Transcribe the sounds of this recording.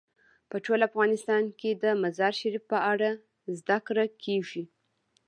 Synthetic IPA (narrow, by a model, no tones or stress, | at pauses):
pəʈolafɣɑnɪst̪ɑnked̪əmazɑɾʃaɾifpəaɽa | zd̪akɾakʰeʒi